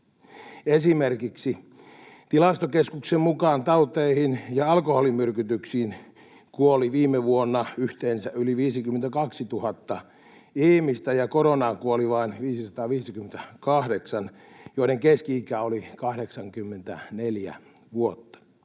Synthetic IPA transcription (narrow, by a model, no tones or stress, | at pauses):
esimerkiksi | t̪ilɑst̪okeskuksemmukɑːnt̪ɑut̪eihinjɑɑlkoholimyrkyt̪yksiːn | kuoliʋiːmːeʋuonːɑyht̪eːnsæʔyliʋiːsikyment̪ækɑksit̪uhɑt̪ːɑ | iːmist̪æjɑkoɾonɑːŋkuoliʋɑinʋiːsisɑt̪ɑːʋiːsikyment̪ækɑhdeksɑn | joineŋkeskiikæolikɑhdeksɑŋkymːent̪æ̰neljæ̰ | ʋuot̪ːɑ̥